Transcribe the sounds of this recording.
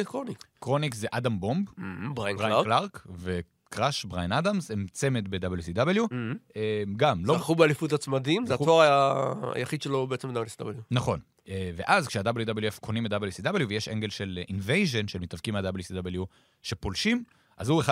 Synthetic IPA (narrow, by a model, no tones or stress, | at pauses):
kʁonikkʁo̞nikzeʔadambo̞mbbajbajaklaʁkve̞ | kʁaʃbʁajnadamsemt͡se̞met̪be̞d̪abeljusid̪abeljuemɡamloχubealifut̪̬at͡smad̪imzeaoaʁaa̰jaχid̪ʃelobeet͡semdablusid̪abeljunaχo̞n | eve̞ʔazkʃeadabeljud̪abeljuefkʰonimetd̪abeljusidabeljuvejeʃeŋɡe̞lʃe̞lʔinvejʒe̞nʃelmetavkimead̪abeljusid̪abelju | ʃe̞polʃim | ʔa̰zhueχa